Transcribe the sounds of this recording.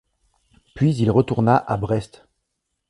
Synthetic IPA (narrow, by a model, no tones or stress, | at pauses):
pɥizilʁət̪uʁnaʔabʁɛst̪